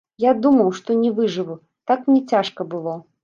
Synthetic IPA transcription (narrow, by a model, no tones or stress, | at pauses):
jad̪umɐwʂt̪ɔnʲɛvɨʐɨvu | t̪aknʲɛt͡sʲaʂkɐbɨlˠɔ